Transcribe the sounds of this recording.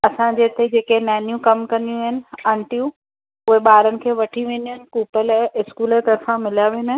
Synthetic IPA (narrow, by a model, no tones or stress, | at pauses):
ɐsãɲd͡ʑeːt̪ʰed͡ʑeːkenɛːnjũkɐmkɐnijũɦɪnɪ̆ɐ̃ɳʈijũ | ʊɦeɓaːɾənɪ̆kʰeːʋɐʈʰiʋẽːnd̪iʊɦɪnɪ̆kuːpəlɛ̃ʔɪskuːlet̪ɐɾfãmɪlijaʋeːn